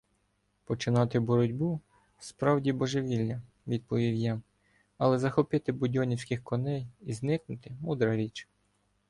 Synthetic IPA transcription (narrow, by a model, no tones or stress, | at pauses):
pɔt͡ʃɪnɑt̪ɪbɔɾɔdʲbu | spɾɑwdʲibɔʒeʋʲilʲːɐ | ʋʲid̪̚pɔʋʲiwjɑ | ɐlˠɛzɐxɔpɪt̪ɪbʊdʲɔnʲiwsʲkɪxkɔnɛjiznɪknʊt̪ɪmud̪ɾɐɾʲit͡ʃ